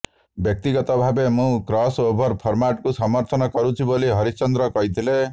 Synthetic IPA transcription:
bjɔk̚t̪iɡɔt̪ɔbʱabemũkɾɔsobʱɔɾpʰɔɾmaʈ̚kusɔmɔɾt̪ʰɔnɔkɔɾũt͡ʃʰiboliɦʌɾit͡ʃɔnd̪ɾɔkɔɦit̪ʰile

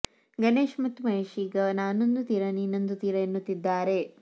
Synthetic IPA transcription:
ɡɐneːʃmɐt̪umɐɦeːʃiːɡɐnaːnond̪ut̪iɾɐninɐnd̪ut̪iɾɐenːut̪ːid̪ːaːɾe

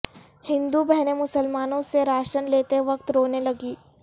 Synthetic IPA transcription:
hɪ̃nd̪ubɛɦnemʊsəlmaːnõseɾaːʃənleːt̪eʋɐk̚t̪ɾoːnelɐɡiː

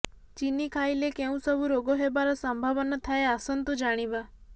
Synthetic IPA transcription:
t͡ʃinikʰailekeũsəbuɾoɡoɦebaɾasəmbʱaʋənət̪ʰaeasənt̪ud͡ʒaɽ̃iʋa

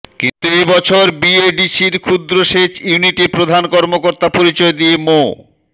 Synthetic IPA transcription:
kint̪uebɔt͡ɕʰoɾbieɖiʃiɾkʰud̪ɾoʃet͡ɕjuniʈipɾod̪ʱankɔɾmokoɾt̪apoɾit͡ɕɔed̪ijemo

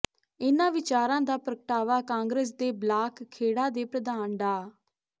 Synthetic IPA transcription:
ɪnãːʋɪt͡ʃaːɾãːd̪aːpəɾəkəʈaːʋaːkãːŋɡɾeːs̬d̪eːblaːkʰːeːɽaːd̪eːpɾəd̪aːnɖaː

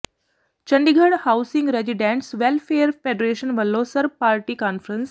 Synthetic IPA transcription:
t͡ɕəɳɖiɡʱəɽhawsĩŋɡɾed͡ʑiɖẽɳʈsʋelfeəɾfeɖəɾeʃənʋəlːosəɾpaɾʈiːkanfɾəns

